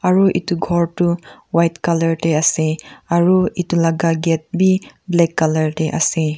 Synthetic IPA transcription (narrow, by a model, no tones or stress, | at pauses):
aɾuḭtuɡʱɔɾtuwajtkalɐɹteaseaɾuitulaɡaɡet̚biblɛkːalɐɹteʔa̰se